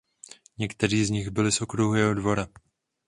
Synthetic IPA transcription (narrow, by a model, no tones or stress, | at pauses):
ɲɛkt̪ɛɾiːzɲɪɣbɪlɪso̞kɾuɦujɛɦo̞dvo̞ɾa